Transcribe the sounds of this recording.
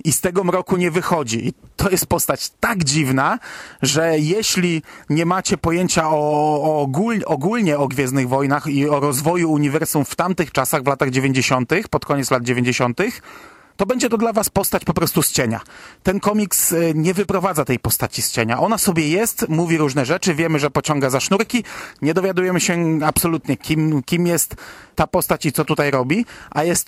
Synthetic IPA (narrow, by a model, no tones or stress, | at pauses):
ist̪ɛɡɔmɾɔkuɲɛvɘxɔd͡ʑiʔit̪ʰɔjɛst̪̚pɔst̪at͡ɕt̪aɡd͡ʑivnaʐɛjɛɕlʲiɲɛmat͡ɕɛpɔjeɲt͡ɕaɔɡulɔɡulɲɛɔɡvʲjɛzdnɨɣvɔjnaxiɔɾɔzvɔjuːɲivɛɾsumft̪amt̪ɘxt͡ʂasaɣvlat̪aɣd͡ʑevʲeɲd͡ʑeɕɔnt̪ɘxpɔt̪kɔɲɛt̪slad̪̚d͡ʑevʲeɲd͡ʑeɕɔnt̪ɘx | t̪ɔbɛɲd͡ʑɛt̪ɔd̪lavaspɔst̪at͡ɕpɔpɾɔst̪ust͡ɕeɲa̰t̪ɛnkɔmʲiksɲɛvɘpɾɔvad̪zat̪ɛjpɔst̪at͡ɕist͡ɕeɲaʔɔnasɔbʲjɛjɛst̪muvʲiɾuʐnɛʐɛt͡ʂɘvʲjɛmɘʐɛpɔt͡ɕɔ̃ŋɡazaʂnuɾkʲiɲɛd̪ɔvʲjad̪ujɛmɘɕɛapsɔlut̪ɲɛkʲimkʲimjɛst̪ːapɔst̪at͡ɕit̪sɔt̪ut̪ajɾɔbʲiʔajɛst̪